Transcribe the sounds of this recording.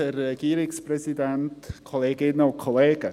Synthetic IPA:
ərɛɡiːɾɪkspʰɾɛsɪdɛntkʰɔlˠeːɡɪnɔlkʰɔleːɡə

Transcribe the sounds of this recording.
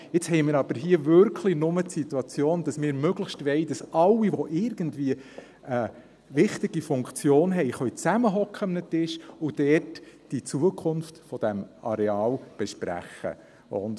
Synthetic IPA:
ɪt͡shɛɪmɪːɾɑb̥əɾɦiəvʏɾkʰlinʊmətsit̪uɑt͡sjoːnd̥ɑsmɪːɾmøɡləʃtʋɛɪd̥ɑsɑlːiʋɔʔɪɾɡəndviə | ə | ʋɪχtɪɡ̥ifʊŋkt͡sjoːnɦɛɪχœʏt͡sæməɦɔkχəmnətɪʃʊd̥ɛtd̥it͡suəkʰʊnftfɔd̥ɛmʔɑ̰ɾɛɑːlb̥ɛʃpɾæ̰χə̰ | ʔʊ̰nd

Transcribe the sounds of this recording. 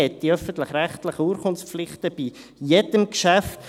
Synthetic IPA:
ɛt̪ːiœfəntlɪχɾæχt̪ləχəuːɾχʰʊnsflɪχt̪əb̥i | jɛdəmkʃæft

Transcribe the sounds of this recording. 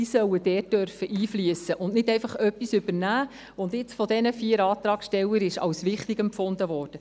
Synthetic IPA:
isœwəd̥ɛːt̚d̥œɾfəʔiːflyəsəʔʊnnɪdɛɪfɑχœpːisʏbəɾnæː | ʊndɪt͡sfɔdɛnəfiːəɾɑːt̪ɾɑːksʃtɛlːəɾɪʃɑ̰wsʋɪχtiɡɛmpfʊndəʋɔːrd̥ə

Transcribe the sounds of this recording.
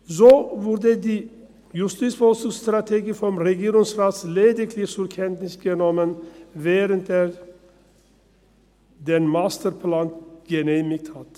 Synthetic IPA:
soːʋʊɾd̪əd̪iː | jʉst̪iːt̪sbɔlsɪŋst̪ɾɑt̪ʰeːɡəfɔmɾɛɡeːɾɪŋsɾɑːt̪sleːd̪ɪkʰlɪsʉɾkʰɛnt̪nɪsɡɛnɔmənʋeːɾənt̪ə | d̪ɛnmɑst̪əɾpʰlɑːnt̪ɡɛnemɪk̚t̪hɑt̪

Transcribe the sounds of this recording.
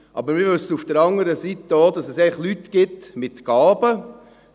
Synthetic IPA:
ʔɑ̰bəɾmɪɾʋɵsəufd̥əɾɑŋəɾəsit̪əod̪ɑsɛsɛɪχlyt̪ɡ̥ɪt̪mɪt̪ɡ̥ɑːbə

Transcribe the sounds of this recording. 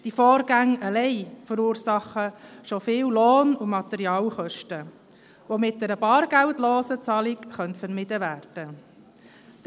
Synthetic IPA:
d̥ifɔːɾɡæŋəlɛɪfəɾuːɾsɑχəʃofɪːlloːnʊmɑt̪ɛɾiɑːlχœʃtə | ʋomɪt̚dɛɾəbɑːɾɡ̥æwtloːsət͡sɑːlikχœntfəɾmɪd̥əʋæːrd̥ə

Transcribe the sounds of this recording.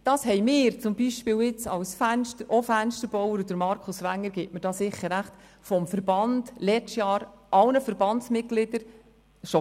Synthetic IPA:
d̥ɑːshɛɪmɪːɾt͡sʊmbiʃpɪːwɪt͡sɑlsfænʃtəɾʔɔfænʃtəɾb̥ɔwəɾud̥əɾmɑɾkʰʊsʋæŋːəɾɡ̥ɛːtmədɑːsɪχːəɾæχt | fɔmfəɾbɑnd̥lɛt͡ʃtjɑːɾʔɑlnəfəɾbɑnsmɪt̚ɡ̥lɪd̥əɾ | ʃo

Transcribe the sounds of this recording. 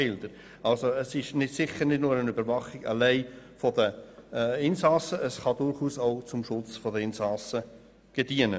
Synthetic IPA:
ɪld̥̪əɾ | ɑlsoəsɪʃnɪdsɪχənɪdnʊːɾənybəɾvɑχɪɡ̥ɑ̰lɛɪfɔdə | ɪnsɑsəʔəsχɑdʊɾχuːsaʊt͡sʊmʃʊt͡sfɔdəɪnsɑsə | ɡ̥ed̥iənə

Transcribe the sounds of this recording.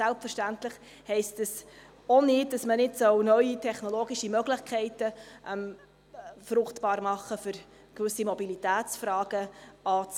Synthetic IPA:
sɛlpfəɾʃtæntləχ | hɛɪstdəs | onɪd̚d̥ɑsmənɪdsœwnœɥitʰɛχnoloːɡiʃimœɡlɪχkʰɛɪtəʔɛm | fɾʊχtb̥ɑːɾmɑχːəfʏɾ | kʋʏsimobilitæːt͡sfɾɑːɡ̥əɑːt͡s

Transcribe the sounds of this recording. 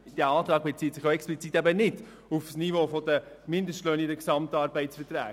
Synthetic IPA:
d̥æɑːt̪ɾɑːɡ̚bet͡siːtsɪχjoɛksplit͡sit̪æbənɪd | ufsnivoːfɔd̪əmɪnd̪əstløːnidəksɑmtɑːɾbɛɪtsfətɾæ̰ː

